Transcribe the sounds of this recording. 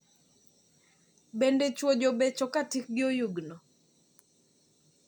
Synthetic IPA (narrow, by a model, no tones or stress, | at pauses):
bendet͡ʃwod͡ʒobɛt͡ʃɔkatik̚ɡɪojuɡnɔ